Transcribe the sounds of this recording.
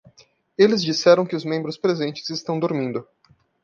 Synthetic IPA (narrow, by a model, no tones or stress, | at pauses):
elɪzd͡ʒisɛɾɐ̃w̃kɪʊzmẽbɾʊspɾezẽnt͡ʃɪ̥zɪst̪ɐ̃w̃d̪oɾmĩnd̪ʊ